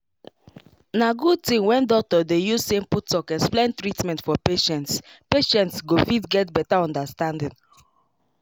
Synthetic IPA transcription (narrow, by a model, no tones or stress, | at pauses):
naɡud̚tĩmwɛ̃ndɔk̚tɔdejuzsẽmputːɔkɛsplẽntɹitmɛ̃ntfɔpeʃɛ̃ntspeʃɛ̃ntsɡofitɡɛtbɛtaɔ̃ndastãndĩn